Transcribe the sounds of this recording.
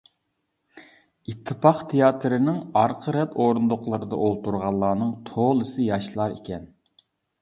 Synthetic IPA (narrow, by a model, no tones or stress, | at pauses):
it̪ʰːɨpʰɑχt̪ʰejɑːt̪ʰɾɨnɪŋɑɾqʰəɾɛt̪oɾund̪ʊqlˠɨɾɨd̪ɑ̰ʔolˠt̪uɾʁɑlˠːɑːnɨŋt̪ʰolˠɨsɨjɑʃlˠɑɾikʲɛn